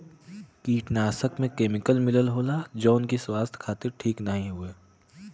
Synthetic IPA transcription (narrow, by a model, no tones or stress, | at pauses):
kiːʈnaːsəkmẽkeːmɪkəlmɪləlɦoːlad͡ʒoːʊnkiswaːst̪ʰkʰaːt̪ɪɾʈʰiːknɐɦĩɦʊeː